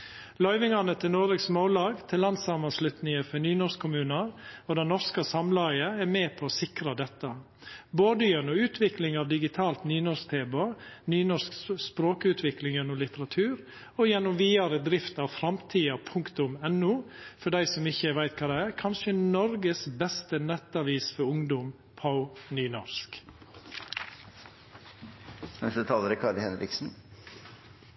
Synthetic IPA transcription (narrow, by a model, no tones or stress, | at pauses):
lœʏʋɪŋɑnət̪ʰɪlnɔɾəksmoːlɑːɡt̪ʰɪlːɑnd̪sɑmɑslʉt̪nɪŋəfɔnyːnɔɾskʰːʊmʉːnəɾɔd̪ɛnɔɾskəsɑmlɑɪəɛɾmeːpʰɔɔsɪkɾɑd̪ɛt̪ːə | boːd̪əjœnʊʉːt̪ʰʋɪklɪŋɑʋd̪ɪɡɪt̪ʰɑːlt̪nyːnɔɾst̪ʰeːbonyːnɔʂkspɾoːkəʉːt̪ʰʋɪklɪŋjɛnːʊmlɪt̪əɾɑt̪ʰʉːɾ | ɔjɛnːʊmʋiːɑɾəd̪ɾɪft̪ɑʋfɾɑmt̪ʰiːɑpʰʊŋkt̪ʊmɛnːuːfɔɖæɪsɔmɪçːəʋæɪt̪kʰɑːd̪ɛæːɾkʰɑnʃənɔɾɡəsbɛst̪ənɛt̪ːɑʋiːsfɔɾʊŋd̪ʊm | pʰaʊnyːnɔsk | nɛst̪ət̪ʰɑːləɾkʰɑɖ̪hɛnɾɪ̰ksn̩